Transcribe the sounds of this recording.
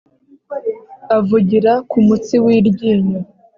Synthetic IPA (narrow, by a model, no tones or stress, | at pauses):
avuɟiɾakumut͡siwiːɾɟiːɲa